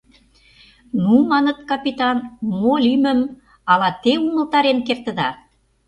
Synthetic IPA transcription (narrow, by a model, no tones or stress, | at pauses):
numɑnət̪̚kɑpit̪ɑnmolymə̆m | ɑlɑt̪eumə̆lt̪ɑɾenkert̪ə̆d̪ɑ